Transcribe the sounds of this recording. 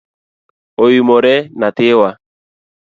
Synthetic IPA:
ojimɔɾɛnatɪwa

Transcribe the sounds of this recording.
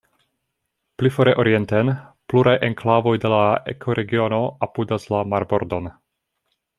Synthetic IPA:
plifoɾeʔoɾie̞ntenpluɾajʔeŋklavo̞jde̞laḛkʰo̞ɾʔe̞ɡio̞no̞apudaslamaɾbo̞ɾdon

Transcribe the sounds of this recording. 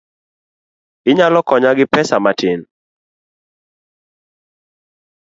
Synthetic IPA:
ɪɲalɔkɔɲaɡɪpɛsamatɪn

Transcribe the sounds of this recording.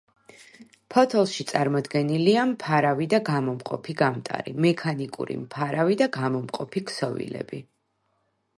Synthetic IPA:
pʰɔt̪ʰɛlˠʃit̪sʼaɾmɔd̪ɡɛniliampʰaɾavid̪aɡamɔmqʼɔ̰pʰiɡamt̪ʼa̰ɾḭmɛkʰanikʼṵɾḭmpʰaɾavid̪aɡamɔmqʼɔpʰikʰsɔvḭlɛ̰bi

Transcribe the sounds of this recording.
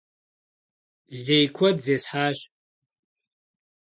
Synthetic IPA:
ʒʲejkʷʰadzesħaʃʼ

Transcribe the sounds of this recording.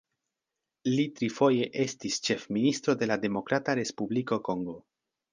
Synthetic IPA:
litɾifo̞je̞ʔe̞stist͡ʃe̞fministɾo̞de̞lade̞mo̞kɾataɾe̞spubliko̞ko̞ŋɡo̞

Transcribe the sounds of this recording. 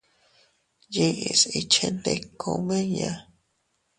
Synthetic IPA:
jeʔisit͡ʃʰend̪ekʰomeja

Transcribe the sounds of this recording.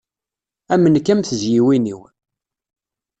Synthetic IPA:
æmənkæmθəzjiwiniw

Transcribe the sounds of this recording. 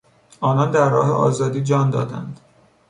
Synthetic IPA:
ɒːnɒnd̪æɾːɒ̰ːɦḛʔɒ̰ːzɒːd̪iːd͡ʒɒːnd̪ɒ̰ːd̪æ̰nd̪

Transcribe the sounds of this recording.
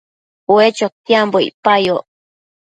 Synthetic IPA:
wet͡ʃok̚t̪iamboḭpajo

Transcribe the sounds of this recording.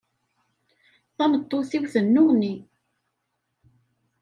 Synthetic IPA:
θɑnət̪ˤːoθiwθənːʊʁni

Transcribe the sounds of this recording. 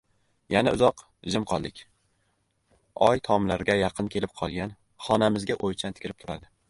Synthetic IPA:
janaʊzɒq | ʒɪmqʰɒlˠd̪ɪkʲ | ɒjt̪ʰɒmlaɾɡʲajɑqʰɨnkʲʰe̞lɪp̚qʰɒlˠɡʲan | χɒnamɪzɡʲaʔojt͡ʃʰant̪ɪ̥kʲʰɾɪp̚t̪ʰʊɾa̰d̪ɪ

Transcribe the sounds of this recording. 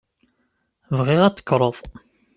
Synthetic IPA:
vʁɪʁæt͡sːə̥kːɾˤəðˤ

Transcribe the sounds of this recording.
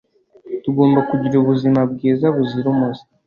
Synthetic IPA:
tuɡo̞ːmbakuɟiɾuβuzimab̚ɡiːzaβuziɾumusi̥

